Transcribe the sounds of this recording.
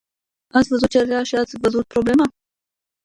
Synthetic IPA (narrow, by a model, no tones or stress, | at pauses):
asʲvəzut̪̚t͡ʃeɾɾaʃiat̪sʲvəzut̪̚pɾoblema